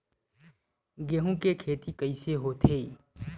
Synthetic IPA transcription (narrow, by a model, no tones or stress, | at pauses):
ɡeːɦũkekʰeːt̪ikəiseɦot̪ʰeː